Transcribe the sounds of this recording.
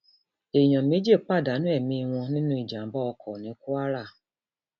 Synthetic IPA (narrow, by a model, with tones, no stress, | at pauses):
e˨ɲɔ̃˨me˨˦d͡ʒe˦˨k͡pa˦˨da˨˦nũ˦ɛ˦˨mĩ˧w̃ɔ̃˧nĩ˦nũ˧˦i˨d͡ʒa˨m˦bɔ˦ɔ˧kʰɔ˨nĩ˨˦ku˦a˦ɾa˦˨